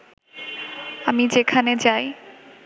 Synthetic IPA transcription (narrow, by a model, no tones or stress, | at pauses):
amid͡ʑekʰaned͡ʑaj